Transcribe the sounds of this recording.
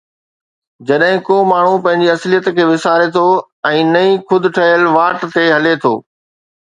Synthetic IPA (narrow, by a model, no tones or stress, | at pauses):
d͡ʑɐɗɦɪ̃koːmaːɳ̤upɐ̃ɦɪ̃ɲd͡ʑiɐslijət̪kʰeːʋɪsaːɾet̪ʰo | ɛ̃ːnɐĩxʊd̪ʱʊ̆ʈʰɐɦjəlʋaːʈt̪eɦɐlet̪ʰo̰ː